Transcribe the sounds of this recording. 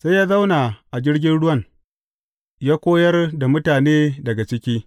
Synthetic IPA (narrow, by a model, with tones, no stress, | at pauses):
sa˦jaː˦za˦wna˨ʔa˨d͡ʒɪ˦rɡʲɪ˦nɽʊ˦wɐ˦˨ŋ | jaː˦kʷoː˦jɐ˦rda˨mʊ˦taː˨neː˦dɐ˨ɡa˨t͡ʃɪ˦kʲiː˦